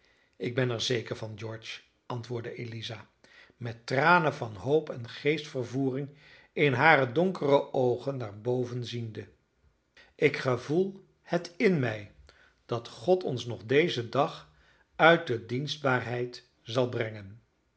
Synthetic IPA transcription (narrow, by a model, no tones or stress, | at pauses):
ɪɡ̚bɛnɛɹzejkəɹvɑnd͡ʒɔɹt͡ʃ | ɑntʋʊːɹdəʔelizaː | mɛtraːnəvɑnɦowpɛnχejstfərvuːrɪŋ | ɪnɦaːrədɔŋkərəʔowχənːaːɹbowvənzində | ʔɪkχəvulˠ | hətɪnmɛj | d̥ɑtχɔtʰɔnsnɔχdejzədɑχ | œɥt̚dədinzd̚baːɹɦɛjt | zɑlˠbrɛŋən